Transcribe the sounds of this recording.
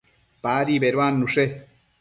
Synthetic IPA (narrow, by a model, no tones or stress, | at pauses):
paːɾiːbeɾwaːnːuʂe